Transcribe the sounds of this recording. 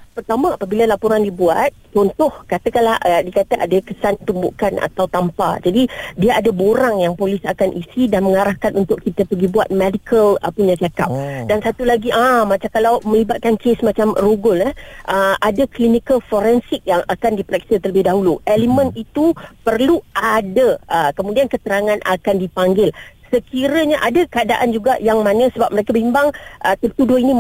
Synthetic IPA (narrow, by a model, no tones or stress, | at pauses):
pərt̪amãapabilalapoɾandibuat̪̚t͡ʃɔnt̪ʊhkat̪əkanlaədiəkat̪əʔa̰dakəsant̪umbʊʔkana̰t̪awt̪ampa̰d͡ʒadidiaadaboɾaŋjaŋpolisakanʔisidanməŋaɾahkanʔunt̪ʊʔkːit̪əpəɡibuat̪̚mɛdikʰələ̰puɲãt͡ʃaka̰p̚dansat̪ulaɡiʔamat͡ʃamkalawmə̃libat̪̚kankʰesmat͡ʃamruɡʊləʔəadəklinikəlfoɾɛnsɪk̚jaŋʔakandipɾɛk̚sət̪ələbɪhdaɦuluʔɛlimə̃nit̪upərluʔadəʔəkəmũdiankət̪əɾaŋãnʔa̰kandipaŋɡɪlsəkiɾəɲaʔadəkəadaʔand͡ʒuɡaʔjaŋmanə̃səbap̚məɾekəbimbaŋʔət̪ərt̪udʊhinĩ